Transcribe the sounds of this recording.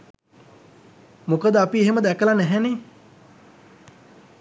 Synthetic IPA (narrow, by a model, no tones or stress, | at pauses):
mukəd̪əapieɦeməd̪ækəlanæɦɛne